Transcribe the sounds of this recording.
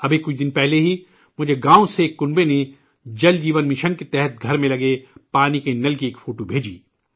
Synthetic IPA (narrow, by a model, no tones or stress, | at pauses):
ɐbekʊt͡ʃʰd̪ɪnpɛɦleɦi | mʊd͡ʒʱeɡãːõsekːʊnbene | d͡ʒɐld͡ʒiːʋənmɪʃənket̪ɛɦɛt̪̚ɡʱɐɾmẽlɐɡepaːnikenɐlkieːkfʰoːʈobʱeːd͡ʒḭː